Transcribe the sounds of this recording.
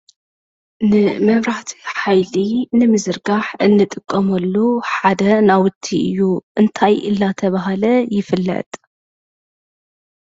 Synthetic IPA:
nɨmɐβɾaħt̪ʰi̥ħajlinɨmɨzɨɾɡaħʔɨnːɨt̪ʼɨkʼːɐmɐlːuħad̪ɐnawʊt̪ʰːiɨ̰jːuʔɨnt̪ʰajɨ̰lːat̪ʰɐβaɦalɐjɪfɨlːɐ̰t̪ʼ

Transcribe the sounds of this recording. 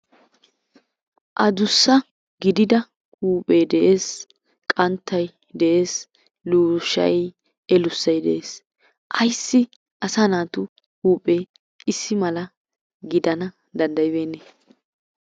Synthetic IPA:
ʔɐd̪ʊsːɐ | ɡɪd̪ɪd̪ɐ | uːpʼeːd̪ɛʔe̞ːs | kʼɐnt̪ʰːɐj | d̪ɛʔe̞ːs | luːʃɐ̰j | ɛlʊsːɐjd̪ɛʔeːs | ʔɐjsːɪ | ʔɐsɐnaːt̪ʊ | huːpʼe̞ː | ɪsːɪmɐlɐ | ɡɪd̪ɐnɐ | d̪ɐnd̪ɐjbe̞ːnːeː

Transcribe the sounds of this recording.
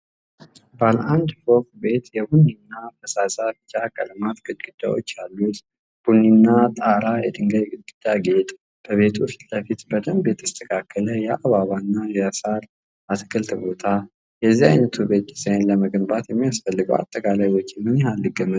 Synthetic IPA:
balʔand̪fo̞fbe̞t̪jɛbunːinːafʰəsasabt͡ʃːakʼəlmat̪ɡɨd̪ɡʼɨd̪̥ːa̰wo̞̰t͡ʃːalːut̪ | b̥unːinːat̪ʼaɾajɛd̪ʼɨŋɡəjɡɨd̪̚ɡʼɨd̪̥aɡe̞t̪ʼ | b̥əβe̞t̪ʰust̪ləfit̪bət̪ʼəmbe̞t̪ɨst̪ʰəkʰakʰːələjɛʔaβaβanːajasaɾ | ʔat̪kʰəlt̪bo̞t̪ʰa | jɛzːia̰jnət̪ʰube̞t̪ɨsəjnləməɡɨmbat̪jɛmːijasfəlːɨɡəwa̰t̪ʼːəkʼalajwo̞t͡ʃːɪmːɨnhalːɨɡəmə

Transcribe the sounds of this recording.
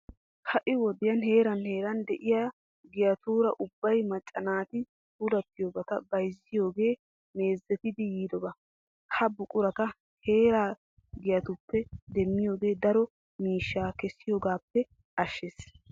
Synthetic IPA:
hɐʔɪwɔd̪ɪjɐnɦe̞ːɾɐnhe̞ːɾɐnd̪ɛʔɪja | ɡɪjɐt̪uːɾɐʔʊbːɐjmɐt͡ʃʼːɐnaːt̪ɪ | tud̪ɐpːɪjoːbɐt̪ɐbɐjzːɪjo̞ːɡe̞ː | me̞ːzːɛt̪ɪd̪ɪjiːd̪ɔbɐ | hɐbʊkʼʊɾɐt̪ɐ | he̞ːɾaː | ɡɪjɐt̪ʊpːɛd̪ɛmːɪjo̞ːɡe̞ːd̪ɐɾɔ | miːʃːaːkɛsːɪjoːɡaːpːɛ | ɐʃːes

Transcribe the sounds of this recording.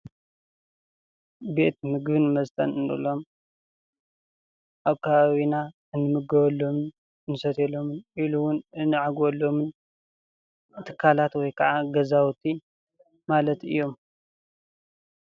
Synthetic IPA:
be̞t̪mɨɡbɨnmɐzt̪ʰʼɐ̰nɨnɨ̰lo̞m | ʔaβkʰaβaβina | ɨnːɨmɨɡɐβɐlːo̞mɨn | nɨsɐt̪ʰelo̞mɨnʔiluwʊnɨnːɨʕaɡwolːo̞mɨn | t̪ʰɨ̥kʰːalat̪wɔjkʰɐʕaɡɐzawt̪ʰi | malɐt̪ɨ̰jːo̞m

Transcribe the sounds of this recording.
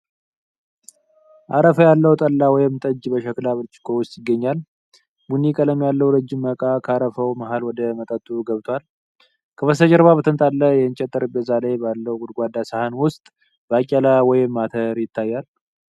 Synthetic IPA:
ʔaɾəfəjalːəwt̪ʼəlːawɔjɪmt̪ʼəd͡ʒːbəʃəklaβɨlt͡ʃʼːɪ̥kʰʼowʊst̪ʼjɪɡːəɲːal | bunikʼaləmjalːəwɾəd͡ʒːɪmːəkʼakʰəaɾəfəwmaɦalwɔd̪əmət̪ʼət̪ʼːuɡəβt̪ʰwal | kʰəβəsəd͡ʒəɾβabət̪ʰənt̪ʼalːəjɛnt͡ʃʼɛt̪ʼːəɾɨbəzalajbalːəwɡʊd̪ɡʷad̪asəhanwʊst̪ʼ | bəakʲʼːɛlawɔjɪmːat̪ʰəɾjɪt̪ːajːal

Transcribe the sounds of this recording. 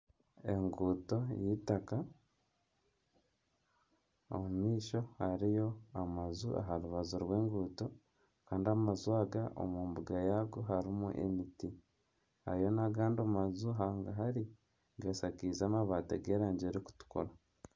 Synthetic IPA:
e̞ŋɡuːto̞jitaka | o̰mumiːʃo̞haɾijo̞amazuʔa̰ɦaɾuβazuɾwe̞ːŋɡuːto̞ | kaːndiamazuaɡao̰muːmbuɡajaɡoɦaɾimuʔḛmiti | haɾijo̞naɡaːndomazuɦaːŋɡaɦaɾi | ɡesakiːzaːmaβaːteɡeɾaːɲɟeɾiku̥tu̥ko̰la

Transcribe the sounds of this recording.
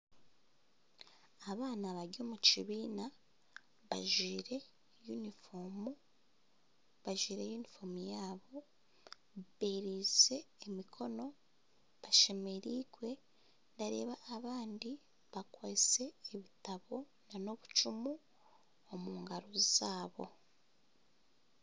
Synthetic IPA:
aβaːnaβaɾɟo̞ːmut͡ʃiβiːna | βa̰ʒiːɾe̞ | junifomu | βaʒiːɾe̞junifo̞mujaːβo̞ | βeɾize̞ːmikʰo̞no̞ | βaʃe̞me̞ɾiɡwe̞ | ndaɾe̞̰ːβaːβaːndi | βakwase̞ːβitaβo̞ | nano̞βut͡ʃumu | omuːŋɡaɾozaːβo̞

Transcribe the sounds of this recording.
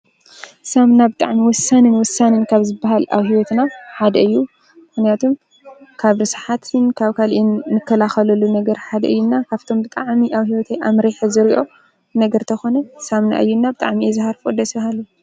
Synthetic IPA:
samnabɨt̪ʼaʕmiwɔsːanɨnwɔsːanɨnkʰaβzɨbːaɦala̰whiwɔt̪naħad̪ɐɨjːu | mɨxnijat̪ʰom | kʰaβɾɨsħat̪ʰɨnkʰaβkʰalʔinːɨkʰːɐlaxɐlɐlːunɐɡɐɾħad̪ɐʔɨjːunːakʰaβt̪ʰo̞mbɨt̪ʼaʕmiʔaβhiwɔt̪ʰeʔamɾeħzɨɾiʔo̞ | nɐɡɐɾt̪ʰɐxo̞nɐsamna̰ʔɨjːunːabɨt̪ʼaʕmiɛzɨhaɾfod̪ɐshalu

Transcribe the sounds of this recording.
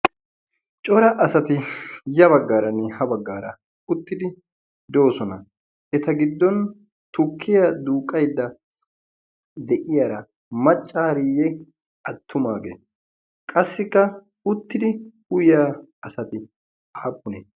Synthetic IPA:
t͡ʃʼɔɾɐʔɐsɐt̪ɪjɐbɐɡːaːɾɐnɛhɐbɐɡːaːɾɐ | ʊt̪ːɪd̪ɪ | d̪o̞ːsɔnɐ | ɛt̪ɐɡɪd̪ːɔn | t̪ʊkʰːɪjɐd̪uːkʼɐjd̪ːɐ | d̪ɛʔɪjaːɾɐ | mɐt͡ʃʼːaːɾɪjɛ | ɐt̪ʰːʊmaːɡḛː | kʼɐsːɪkːɐ | ʊt̪ːɪd̪ɪ | ʊjjaːɐsɐt̪ɪ | aːpʼːʊneː

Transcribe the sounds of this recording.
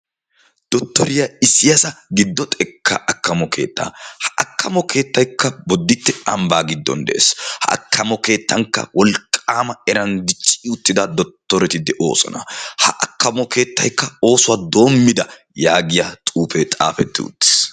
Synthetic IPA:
d̪̥ɔt̪ːɔɾɪjɐɪsɪjɐsɐɡɪd̪ːɔt̪ʼɛkʰːɐʔɐkːɐmɔkʰe̞̰ːt̪ːa̰ːhɐʔɐkːɐmɔkʰe̞ːt̪ːɐjkːɐbɔd̪ːɪt̪ːɛɐmbaːɡɪd̪ːɔ̰nd̪ɛ̰ʔḛːshɐʔɐ̰kʰːɐmɔke̞ːt̪ːɐŋkːɐ̰wɔlkʼːaːmɐɛɾɐnd̪ɪt͡ʃʼːɪʊt̪ːɪd̪ɐd̪ɔt̪ːɔɾɛt̪ɪd̪ɛʔo̞̰ːsʼɐ̰nɐhɐ̰ʔɐkːɐmɔke̞ːt̪ːɐjkːɐo̞ːsʊwaːd̪o̞ːmːɪd̪ɐ | jaːɡɪjat̪ʼuːfɛt̪ʼa̰ːfɛt̪ːɪ̰ʊ̰t̪ːɪ̥s

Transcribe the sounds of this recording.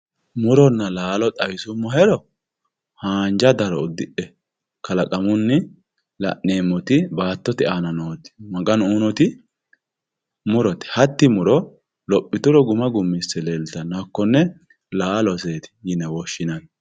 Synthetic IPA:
mʊɾɔnːɐlaːlɔt̪ʼɐjsʊmːɔhɛɾɔ | haːnd͡ʒɐd̪ɐɾɔʊd̪ːɪʔɛ | kɐlɐkʼɐmʊnːɪ | lɐ̰ʔneːmːɔt̪ɪbaːt̪ːɔt̪ɛʔanɐnoːt̪ɪ̥mɐɡɐnunɔt̪ɪ | mʊɾɔt̪ɛ̥hɐt̪ːɪmʊɾɔ | lɔpʼːɪt̪ʊɾɔɡʊmɐɡʊmːɪsɛlelt̪ɐnɐkːɔnːɛ | laːlɔseːt̪ɪ̥jɪnɛwɔʃːɪnɐn

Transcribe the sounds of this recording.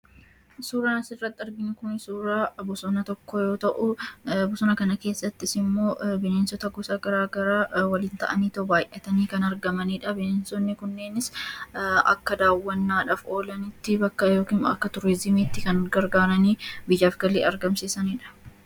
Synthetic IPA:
suːɾaːnɐsɪrːɐt̪ːɪɐɾɡɪnːkʊnɪsuːɾaːbʊsɔnɐt̪ɔkːɔjo̞ːt̪ɐʔʊbʊsɔnɐkɐnɐke̞ːsːɐt̪ːɪsɪmːo̞ːbɪneːnsɔt̪ɐɡɔsɐɡɐɾaːɡɐɾaːwɐliːnt̪ɐ̰ʔɐniːt̪ɐbaːjʔɛt̪ɐniːkɐnɐɾɡɐmɐniːᶑɐbɪneːnsɔnːɪkʊnːe̞ːnɪs | ɐ̰kːɐd̪aːwːɐnːaːᶑaːfo̞ːlɐnɪt̪ːɪbɐkːɐjoːkiːnɐ̰kːɐt̪ʊɾɪzɪmiːt̪ːɪkɐnɡɐɾɡaːɾɐniːbɪd͡ʒaːfɡɐleːɐɾɡɐmsɪsɐniːᶑɐ̥

